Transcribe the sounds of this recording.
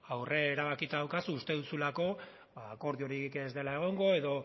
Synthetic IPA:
awre̞ːɾaβakit̪aðawkasuːst̪e̞ðusulako̞ | baːko̞ɾðio̞ɾike̞zd̪e̞lae̞ɣ̞o̞ŋɡo̞e̞ðo̞

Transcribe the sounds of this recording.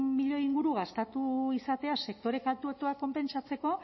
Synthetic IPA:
miʎo̞iŋɡuɾuɣast̪at̪uisat̪e̞ase̞k̚t̪o̞ɾe̞kalt̪uet̪oako̞mpe̞nt͡sat͡se̞ko̞

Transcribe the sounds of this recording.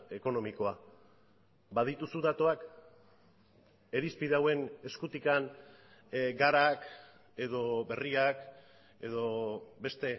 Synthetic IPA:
e̞ko̞no̞miko̞a | bað̞it̪usuðat̪o̞ak | e̞ɾispiðawe̞ne̞skut̪ikan | ɡaɾak | e̞ðo̞be̞riak | e̞ð̞o̞be̞st̪e̞

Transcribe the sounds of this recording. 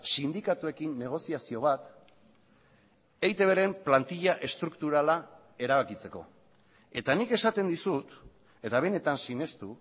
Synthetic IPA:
sind̪ikat̪ue̞kinːe̞ɣ̞o̞siasio̞β̞at̪ | ejt̪e̞βe̞ɾe̞mplant̪iʎaʔe̞st̪ɾukt̪uɾala | e̞ɾaβakit͡se̞ko̞̰ | e̞t̪anike̞sat̪e̞nd̪isut̪ | e̞t̪aβ̞e̞ne̞t̪ansine̞st̪u

